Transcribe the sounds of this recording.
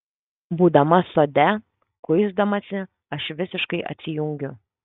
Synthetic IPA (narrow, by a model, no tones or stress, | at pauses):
buːd̪ɐmɐsoːd̪ʲɛ | kʊɪzd̪ɐmɐsʲɪ | ɐʃʋʲɪsʲɪʃkɐɪʔɐ̰t̪ʲsʲɪjʊŋʲɡʲʊ